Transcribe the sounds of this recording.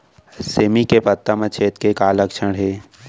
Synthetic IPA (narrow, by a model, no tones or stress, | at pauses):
seːmikepət̪ːəmət͡ʃʰeːt̪kekaːləkʃəɽɦeː